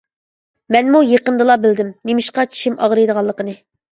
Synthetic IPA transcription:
mɛnmujeqənd̪ɨlˠɑbɪld̪ɪmnemɪʃqɑt͡ʃʰi̥ʃɪmɑʁɾɨjd̪əʁɑlˠːəqənɨ

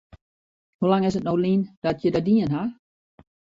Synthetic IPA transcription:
hulaŋɪsət̚nowlind̥ɔtjədadiənɦa

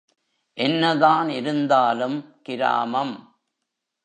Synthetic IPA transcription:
ʔɛnːɐðaːnɪɾɯnd̪aːlɯmkɪɾa̰ːmɐm

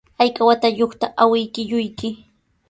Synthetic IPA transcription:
ajkawat̪ajoχt̪aʔawɪjkɪʎʊjkɪ

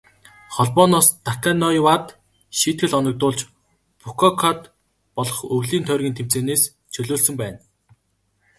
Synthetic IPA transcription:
χɔɮpɔːnɔːst̪akanːɔjiwat̪ | ʃiːt̪̚ɡɘ̆ɮɔnɞ̆k̚t̪ʊːɮt͡ɕ | pʰukʰɔkʰat̪ | pɔɮɞ̆χɵɣɮiːnt̪ʰœːrɣʲiːnt̪ʰem̥t͡seːneːs | t͡ɕʰɵɮoːɮsɵ̆mpæːn

